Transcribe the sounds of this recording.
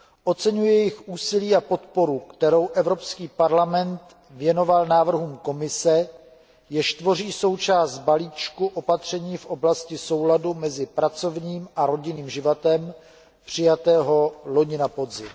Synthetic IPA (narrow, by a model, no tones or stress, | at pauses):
ʔo̞t͡sɛɲujɛjɛjɪxʔuːsɪliːapo̞t̪po̞ɾukt̪ɛɾo̞wʔɛvɾo̞pskiːpaɾlamɛnt̪ | vjɛno̞valnaːvr̩ɦuːmko̞mɪsɛ | jɪʃt̪vo̞r̝iːso̞wt͡ʃaːst̪̚baliːt͡ʃkuʔo̞pat̪r̝̥ɛɲiːfʔo̞blascɪso̞wladumɛzɪpɾat͡so̞vɲiːmʔaɾo̞ɟɪniːmʒɪvat̪ɛm | pr̝̥ɪjat̪ɛːɦo̞lo̞ɲɪnapo̞dzɪm